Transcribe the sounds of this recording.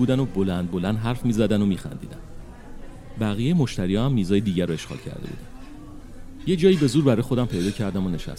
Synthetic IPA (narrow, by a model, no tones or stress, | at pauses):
uːd̪æno̞bo̞lænd̪̚bo̞lænd̪ɦæɾfmiːzæd̪ænomiːxæ̰nd̪iːd̪æn | bæɣijejemo̞ʃt̪æɾijɒhæmːiːzɒːjed̪iːɟæɾoe̞ʃɣɒ̰lcʰæ̰ɾd̪ḛbṵːd̪æn | jed͡ʒɒːjiːbe̞zuːɾbæɾɒːjexo̞d̪æmpʰe̞jd̪ɒːcʰæɾd̪æmone̞ʃæ̰s